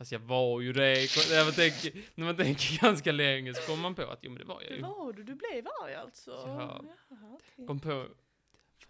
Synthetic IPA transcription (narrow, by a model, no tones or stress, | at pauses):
fast̪jɑvɑɾjɵd̪ɛkɔvat̪ʰɛŋkənæɾmant̪ʰɛŋkəɾɡanskalɛŋːəsɔ̥kʰɔmːanpʰɔa̰t̪jṵːmɛnd̪ɛ̰va̰ɾja̰jɵ̰dd̪blevaɾa̰lt̪sɔ̰ | kɔmːpʰo